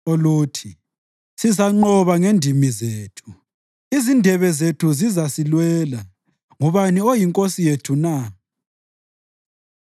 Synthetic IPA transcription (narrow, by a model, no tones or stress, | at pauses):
oluːtʰi | sizaŋ͡ǃɔβaŋendʱimizeːtʰu̥ | izindʱɛβɛzetʰuzizasilwɛːla | ŋuβaniojiŋkʼosijetʰuna